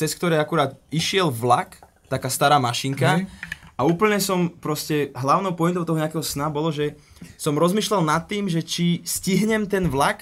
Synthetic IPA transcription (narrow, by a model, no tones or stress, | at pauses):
t͡sɛskt̪ɔɾɛjakuɾaːt̪iʃɪɛlʋlak | t̪akaːst̪aɾaːmaʃiŋkaauːpl̩ɲɛsɔmpɾɔscɛɦlaʊnɔʊpɔjint̪ɔʊt̪ɔɦɔɲɛakɛɦɔsnabɔlɔʒɛ | sɔmɾɔzmiːʃlalnat̪ːiːmʒɛt͡ʃisciɦɲɛmt̪ɛnʋlak